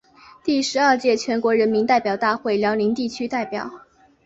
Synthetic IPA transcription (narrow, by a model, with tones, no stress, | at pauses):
t̪i˥˩ʂɻ̩˧˥ə˞˥˧t͡ɕjɛ˥˩t͡ɕʰɥɛ˧˥nkwɔ˧˥ɻə˧˥nmi˧˥nt̪a˥˩ɪpjɑ˨˩ʊt̪a˥˧xwe˥˩ɪljɑ˧˥ʊli˧˥ŋt̪i˥˩t͡ɕʰy˥t̪a˥˩ɪpjɑ˨˩˦ʊ